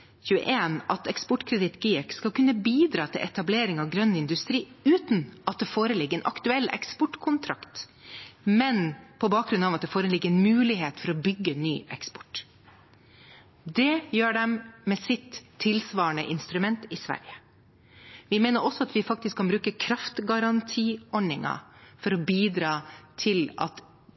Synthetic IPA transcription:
çʉːə̰ʔeːnɑt̪ɛkspɔʈːkʰɾɛd̪ɪt̪ɡiːɛkskɑlkʉnːəbiːd̪ɾɑːt̪ʰɪlʔɛt̪ɑbleːɾɪŋɑʋɡɾœnːɪnd̪ʉst̪ɾiːʉːt̪nʔɑt̪̚d̪ɛfoːɾəlɪɡəɾɛnʔɑ̰kt̪ʉɛlːɛ̰kspɔʈkʰʊnt̪ʰɾɑkt̪ | mɛnpʰɔbɑːk̚ɡɾʉnɑːʋɑt̪̚d̪ɛːfoːɾənlɪɡəɾɛnmʉːlɪɦeːt̪fɔɾɔbʏɡːəny̰ːɛkspɔ̥ʈ | d̪ɛjøːɖɛmːɛsɪt̪ʰːɪlsʋɑːəɳəʔɪnst̪ɾʉmɛnt̪ɪsʋæ̰ɾjə | ʋɪmeːnəɾɔsɔɑt̪ʋɪfɑkt̪ɪskʰːɑnbɾʉːkəkʰɾɑft̪ɡɑɾɑnt̪ʰiːɔnɪŋɑ̰fɔɾɔbiːd̪ɾɑːt̪ʰɪlɑ̰t̪

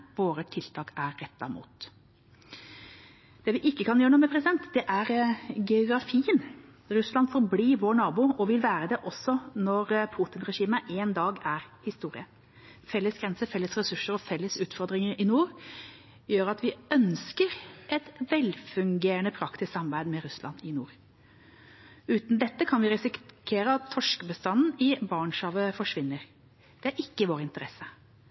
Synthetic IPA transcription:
ʋoːɾət̪ʰɪlt̪ʰɑːkæɾːɛt̪ːɑmṵːt̪ | d̪̥ɛːʋɪʔɪkːəkʰɑnjøːɾɳuːmɛpʰɾɛsɪd̪ɛnt̪d̪ɛʔæɾɡɛʊɡɾɑfiːən | ɾʉslɑnd̪fɔɾbliːʋoːɳɑːbʊːɔʋɪlʋæːɾəd̪ɛʔɔsːɔnɔɾpʰuːt̪ɪnɾɛʂiːməʔeːnd̪ɑːɡæɾhɪst̪uːɾɪə | fɛlːəsɡɾɛnsəfɛlːəsɾɛsʉʂəɾɔfɛlːəsʉːt̪fɔɾd̪ɾɪŋəɾɪnuːɾ | jøːɾɑt̪ʋɪœnskəɾʔɛt̪ʋɛlfʉŋɡeːɾənəpʰɾɑkt̪ʰɪssɑmɑbæɪd̪mɛɾʉslʔɑ̰nɪnuːɾ | ʉːt̪n̩d̪ɛt̪ːəkʰɑnʋɪɾɛsɪkʰeːɾəɑt̪ʰːɔʂkbəst̪ɑnːn̩ɪbɑːɳʂɑːʋəfɔʂʋɪnːəɾ | d̪̥ɛæɾɪkːəʋoːɾɪnt̪əɾɛsːə

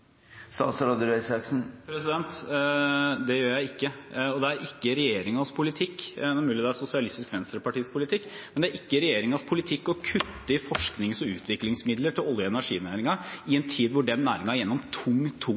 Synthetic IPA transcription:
st̪ɑ̰ːt̪sɾɑːd̪ʉɾɛɪsɑksn̩pʰɾɛsɪd̪ɛnt̪ | d̪ɛjøːɾjæɪɪkːəɔd̪ɛæɾʔɪkːəɾɛjeːɾɪŋɑspʰʊlɪt̪ʰɪkːɛmʉːlɪd̪ɛæsʊsɪɑlɪst̪ɪskʋɛnst̪ɾəpʰɑʈiːspʊlɪt̪ʰɪkːmɛnd̪ɛæɾʔɪkːəɾɛjeːɾɪŋɑspʰʊlɪt̪ʰɪkːɔkʰʉt̪ːəɪfɔʂknɪŋsɔʉ̰ːt̪ʰʋɪklɪŋsmɪd̪ləʈʰɪlɔljəɛnæʂḭːnæːɾɪŋɑɪɛnt̪ʰiːd̪ʋʊɖɛnːæːɾɪŋɑæɾjɛnːɔmt̪ʰʊŋːt̪ʰʊ

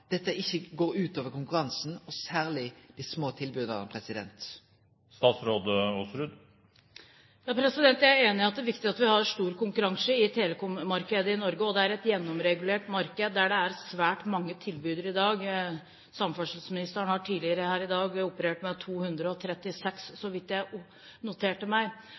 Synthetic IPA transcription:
d̪̥ɛt̪ːəʔɪçːəɡoːɾʉːt̪oːʋəɾkʊŋkʉɾɑnsn̩ɔsæːʁlɪd̪̥ɪsmoːt̪ʰɪlbʉːd̪əʁɑ̰pʰɾɛsɪd̪ɛ̰nt̪ | st̪ɑːt̪sɾoːd̪əɔsɾʉd̪ | jɑːpʰɾɛsɪd̪ɛnt̪jæɪæɾeːnɪɑt̪̚d̪æʋɪkt̪ɪɑt̪ʋɪhɑɾʂt̪uːɾkʊŋkʉɾɑŋsəɪt̪ʰeːləkʊmɑɾkəd̪əɪnɔɾɡəɔd̪ɛæɾɛt̪jɛnːɔmɾɛɡʉleːʈmɑɾkəd̪ːæɖɛæɾsʋæːʈmɑŋːət̪ʰɪlbʉːd̪əɾɪd̪ɑːɡ | sɑmfœʂlsmɪnɪst̪əɳhɑʈʰiːdlɪəɾəhæːɾɪd̪ɑːɡʊpəɾeːʈmɛt̪ʰuːhʉnd̪ɾəɔt̪ʰɾɛt̪ːɪsɛksːɔʋɪt̪jæɪ | nʊt̪ʰeːʈəmæɪ

